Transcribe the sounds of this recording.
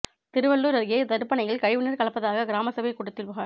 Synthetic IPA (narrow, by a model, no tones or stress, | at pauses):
t̪ɪɾɯʋɐɭːuːɾɐɾjeːd̪ɐɾɯpːɐnɐjɪlkɐɻɪʋɯnɪɾkɐɭɐpːɐðaːɣɐɡɪɾaːmɐsɐʋɐkːʊɽɯt̪ːɪlʋɐɣaː